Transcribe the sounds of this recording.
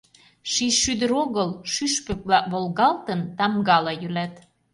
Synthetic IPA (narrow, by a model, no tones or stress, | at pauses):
ʃiʃːyd̪ə̆ɾoɣəlʃyʃpø̆k̚lɑβolɣɑlt̪ənt̪ɑmɡɑlɑjylæt̪